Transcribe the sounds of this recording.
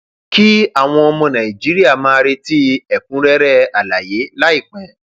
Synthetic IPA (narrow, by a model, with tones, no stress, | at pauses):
ki˦a˦˨w̃ɔ̃˧ɔ˧mɔ̃˧nã˨i˨d͡ʒi˨˦ɾi˦a˦˨mãː˦˧ɾe˧ti˦ɛ˨k̚ũ˨˦ɾɛ˦ɾɛ˦a˨la˨je˨˦la˦i˦˨k͡pɛ̃˨